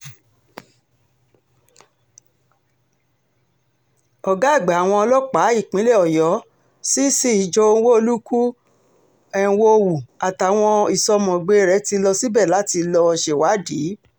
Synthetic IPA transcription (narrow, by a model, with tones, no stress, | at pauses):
ɔ˨ɡa˨˦˨ɡ͡ba˨a˨w̃ɔ̃˧ɔ˧lɔ˦k͡pa˨˦i˦˨k͡pĩ˨˦le˦˨ɔ˨jɔ˨˦ | si˦si˦i˨d͡ʒɔ˧õ˧˦wo˦o˧lu˦ku˦ | ɛ˦˨wo˦˧wu˨a˨ta˨w̃ɔ̃˧i˨sɔ˧mɔ̃˨ɡ͡be˨˦ɾɛ˨˧˦ti˧lɔ˧si˦bɛ˦˨la˨˦ti˧lɔ˧ʃe˨wa˨˦diː˨˦